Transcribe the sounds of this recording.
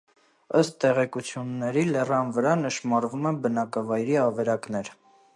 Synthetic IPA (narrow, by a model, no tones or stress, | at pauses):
əst̪t̪ɛʁɛkut͡sʰjunːɛɾilɛrɑnvəɾɑnəʃmɑɾvumɛbənɑkɑvɑjɾiɑvɛɾɑknɛɾ